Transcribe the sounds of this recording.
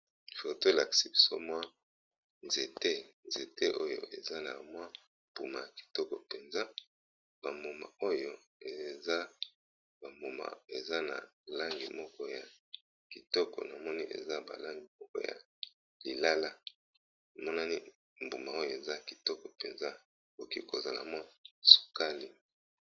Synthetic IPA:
i˨fo˨to˦la˨ksi˦bi̥˨so̰˦mwa˦ | nze˨te˦nze˨te˦ʔo˦jo̰˨ʔe˨za˦na̰˨mwa˦ | pu˨ma̰˨ja˨ki̥˨tɔ˦kɔ˨pe˨nza˦ | ba˨mbu˨ma̰˨o˦jo˦ | e˨za˦ | ba˨mbo˨ma̰˨e˨za˦na̰˨la˦ŋɡi˨mɔ˦kɔ˦ja˨ | ki˨tɔ˦kɔ̰˨na˨mɔ˦ni˦ʔḛ˨za˦ba̰˨la˦ŋɡi˨mɔ˦kɔ̰˦ja̰˨ | li˨la˦la˦ | a˨mɔ˦na˦ni˦ | m̩bu˨ma˨o˦jo˨e˨za˦ki̥˨tɔ˦kɔ˨pe˨nza˦˨ | ko˨ki˦ko˨za˨la̰˨mwa˦su̥˨ka˦li˦

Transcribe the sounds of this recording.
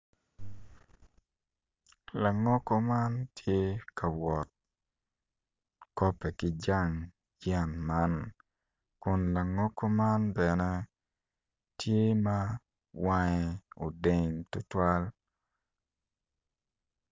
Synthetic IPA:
la˨ŋɔ˦kɔ˦ma˦ntʰje˦kʰa˨wɔ˨t̚ | kɔ˦pɛ˨kɪ˦d͡ʒa˦ŋ | jɛ˦˨nma˦n | kʊ˨nla˨ŋɔ˦kʰɔ˦ma˦nbɛ˨nɛ˦ | tje˦ma˦ | wa˦ŋɛ˦o˨de˦˨ŋtʊ˦twa˦l

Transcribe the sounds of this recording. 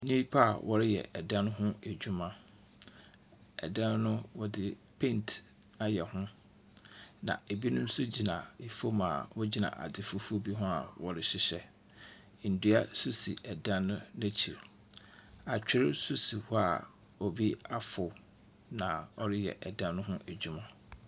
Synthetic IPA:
ɲĩ˦i˦pʰa˦a̰˨wʔɔ˦ɾɪ˦jɛ̰˨ʔɛ˨dã˦n˦ɦʊ̃˦æ˨d͡ʑᶣu˦mã˦ | ɛ̰˨dã˦n˦nʊ̃˦wɔ˦dɪ˦pʰẽ˦nt | a˦jɛ˨hʊ̃˦ | nã̰˨e˨bi˦nʊ̃˦m̩˦sʊ˦d͡ʑi˨nã˨i˨fo˦ma˨wɔ˦d͡ʑi˨nã̰˨ʔa̰˨dɪ˦fʊ˦fu˦o˦bi˦ɦʊ̃˦a̰˨wɔ˨ɾɪ˨ɕɪ˦ɕɛ˦ | n̩˨dʊ˦a˦˨su˦si˨ʔɛ˨dã˦nːʊ̃˦n˦æ˦t͡ɕʰi˨ɾ | a˨t͡ɕᶣɪ˦ɾɪ˦su˦si˨hʊ˦a˨ | ɔ˨bi˦a˦fʊ˨ | nã˨ɔ˦ɾɪ˦jɛ̰˨ʔɛ˨dã˦nː˦ʊ̃˦ɦʊ̃˦ʔæ˨d͡ʑᶣu˦mã˦

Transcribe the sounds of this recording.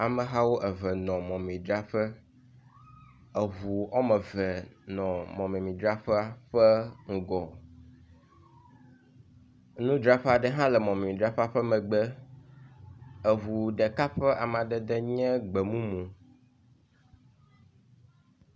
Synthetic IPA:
a˨mə̃˨ɦa˦wo˦ʔɛ˨vɛ˨nɔ̃˨mɔ̃˨mĩ˨d̪ɾa˦ɸɛ˦ | ə˨vu˨ɔ˦mɛ̃˨vɛ˨nɔ̃˨mɔ̃˨mɛ̃˨mĩ˨d̪ɾa˦ɸɛ˦a˦ɸɛ˦ŋ̩˦ɡɔ˨ | nũ˦d̪ɾa˦ɸɛ˦a˨ɖɛ˦ɦã˦lɛ˨mɔ̃˨mɛ̃˨mĩ˨d̪ɾa˦ɸa˦ɸɛ˦mɛ̃˨ɡ͡bɛ˦ | ə˨ɦu˨ɖɛ˨ka˦ɸɛ˦ʔa˨m˨ã˨ɖɛ˨d̪ɛ˦ɲɛ̃˦ɡ͡bɛ˨mũ˦mũ˨

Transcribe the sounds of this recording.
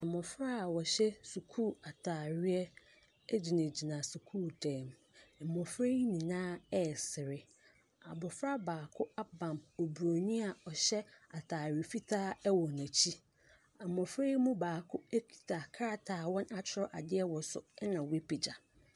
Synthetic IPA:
a˨mɔ̃˨fɾa˦˨wɔ˨ɕɛ˦su˨kʰuː˦˨a˨tʰaː˨ɾɪ˦ɛ˦ | d͡ʑi˨nã˨d͡ʑi˨nã˨su˨kʰuː˦˨tʰɛ̃˨m˨ | mɔ̃˨fɾe˦nĩ˨nãː˦ɛ˦˨sɪ˨ɾɪ˦ | a˨bʊ˨fɾa˦baː˨kʰʊ˦a˦bã˨mɔ˨bu˨ɾo˨ɲĩ˦a˨ɔ˨ɕɛ˦a˨tʰaː˨ɾɪ˨fi˦tʰaː˦ɛ˦wɔ˨næ̃˨t͡ɕʰi˦ | a˨mɔ̃˨fɾeː˦mũ˦baː˨kʰʊ˦ɛ˦kʰi̥˨tʰa˨kʰa˦ɾa˨tʰaː˨wɔ̃˦na˨t͡ɕʰɪ˦ɾɔ˦ʔa˨dɪ˦ɛ˦wɔ˨sʊ̰˨˦nã˨wi˦pʰi˨d͡ʑa˨

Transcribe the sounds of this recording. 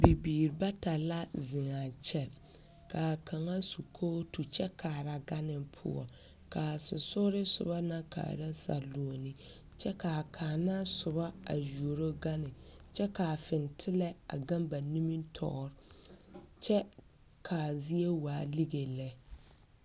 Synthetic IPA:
bi˨biː˨ɾɪ˨ba˦ta˨la˦zɪ˨ŋa˨t͡ʃɛ˦ | kaː˨kʰa˨ŋa˦su˨kʰoː˦tu˨t͡ʃɛ˦kʰaː˨ɾa˦ɡa˦nɪ˨pʰʊ̰˦ɔ̰˨ | kaː˨sɪ̰˨sʊ˦ɾɪ˦sʊ̰˨ba˦na˦ka̰ː˨ɾa˦sa̰˨lu˨o˨ni˦ | t͡ʃɛ˦ka˨kʰaː˨na˦sʊ˨ba˦a̰˨ju˨o˨ɾo˦ɡa˦nɪ˨t͡ʃɛ˦kaː˨fɪ˨ntʰɪ˦lɛ˦a̰˨ɡa˦mba˨ni˦mi˦ntʰɔ̰˨ɾɪ˦ | t͡ʃɛ˦ | kʰa˨zi˦e˦waː˨˦li˦ɡe˨lɛ˦

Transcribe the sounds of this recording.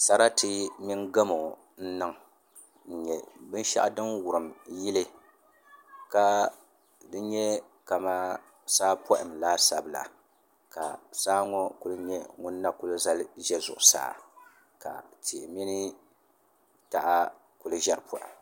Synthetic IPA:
sa˨ɾa˦tɨ˦mi˦nɡa˦mo˨ | n̩˦nɨ˦ŋ | n̩˨ɲɛ˨bɨ˦n˦ʃa̰˦ʔdɨ˦nwʊ˨ɾɨ˨mji˦lɨ˦ | ka˦ | dɨ˦ɲɛ˦ | ka˨ma˦ | saː˦pɔ˦ʔɪ˨mlaː˦sa̰˨bɨ˨la̰˨ | ka̰˨saː˦ŋɔ˦kʊ˦lɨ˦ɲɛ˦ŋʊ˦nː˦a˦kʊ˦lɨ˦za˦lʒɛ˦zʊ̰˨ʔʊ˨sa̰ː˦˨ | ka̰˨ti˨mi˦nɨ˦ | ta˨ʔa˦ | ku˨lɨ˦ʒɛ˦ɾɨ˨pʰɔ˦ʔɪ̰˨m

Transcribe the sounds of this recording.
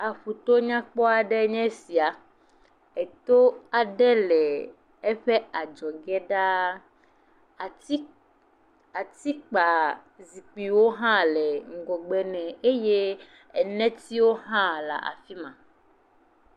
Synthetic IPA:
a˨ɸu˨t̪o˦ɲã˦k͡pɔ˦a˨ɖɛ˦ɲɛ̃˦si˨a˨ | ɛ˨t̪o˦a˨ɖɛ˦lɛ˨ | ɛ˦ɸɛ˦a˨d͡ʒɔ˨ɡɛ˦ɖa˦˨˦ | a˨t̪i˦k͡pa˨zi˨k͡pi˨wo˦ɦã˦lɛ˨ŋ̩˨ɡɔ˨ɡ͡bɛ˦nɛ̃˨e˦je˦ | ɛ˨nɛ̃˦t̪i˦wo˦ɦã˦la̰˨ʔa̰˨fi˦mã˨

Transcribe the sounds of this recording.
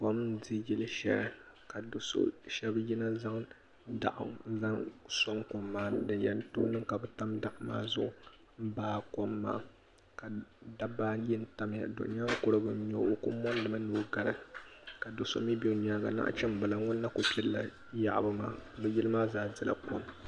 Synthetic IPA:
po˦m˦di˦jɪ˦lɨ˦ʃɛ̰˨l | ka˨do˨so̰˦ʃɛ˦bji˦na˦za˦ŋ | da̰˦˨ʔʊ̰˨˦za˦nso˦ŋko˨mːaː˦˨dɨ˨jɛ˨n˦toː˦nɨ˦ŋka˨bɛ˨ta˦mda˦ʔma̰ː˦zʊ˦ʔʊ˦ | m̩˦baː˦ko˦mːa̰ː˦ | ka˨da˦baː˦ji˦n̩˦ta˦m˨ja̰˨do̰˨n˦a˦kʊ˦ɾɨ˦bɨ˨˦ɲ˦o˦o˦kʊ˦mɔ˦n˦dɨ˨ma˦nuː˦ɡa˨ɾɨ̰˨ka˨do˨so̰˦mi˦bi˦˨ɲ˦a˦ɡa̰˨na̰˦ʔt͡ʃɛ˦m˦ba˨la˨ŋʊ˦nːa˦ko˨kʲɪ˦dla˨ | ja˨ʔbɨ˦ma̰ː˦˨bɛ˦jɪ˦lɨ˦maː˦zaː˦zɨ˦la̰˨ko˦m

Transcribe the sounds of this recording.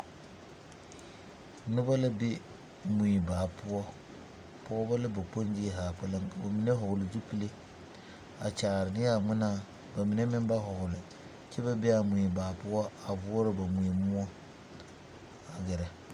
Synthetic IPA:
nʊ˦ba˦la˦be˦ | mu˨i˨baː˨pʊ˦ɔ˦ | pʊ˦ɔ˦ba˦la˦ba˨k͡po˦n˦d͡ʒi˦˨ɦa˨k͡pɛ˦la˦ŋ˨ba˨mi˨ne˦ɦʊ˨ɡʊ˨lɪ˨du˦pi˦le˦ | a˨t͡ʃaː˨ɾɪ˨nɪ˦ja˦˨ŋɪ˦na˦ | ba˨mi˨ne˦mɪ˦n˦ba˦ɦʊ˨ɡʊ˨lɪ˨ | t͡ʃe˦ba˦be˦a˨mu˨i˨baː˨pʊ˦ɔ˦a˨vu˦ɔ˦ɾɪ˦ba˨mu˨i˨mʊ˦ɔ˦ | a˨ɡɛ˨ɾɛ˨

